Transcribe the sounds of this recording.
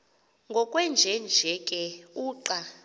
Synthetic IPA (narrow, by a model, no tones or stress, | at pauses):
ŋɡʱɔkʼwɛnd͡ʒʱɛnd͡ʒʱɛkʼɛuːǃa